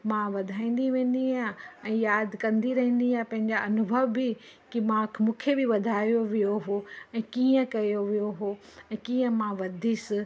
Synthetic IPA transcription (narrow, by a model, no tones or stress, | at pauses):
mãʋɐd̪ʱaːĩːn̆d̪iʋẽːnd̪iãɛ̃ːjaːd̪ʱkɐ̃nd̪iɾɐɦĩːnd̪iãpɐ̃ɦɪ̃ɲd͡ʑaɐnʊbʱəʋbɪ | kimãːkʰmũːkʰebɪʋɐd̪ʱaːijoʋijoɦoɛ̃ːkiːə̃kɐjoʋijoɦoɛ̃ːkiːə̃mãʋɐd̪ʱisɪ